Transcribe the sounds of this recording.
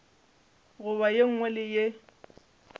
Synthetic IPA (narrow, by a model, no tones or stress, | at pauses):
ɣʊbajeŋ̩ŋwɛlɪje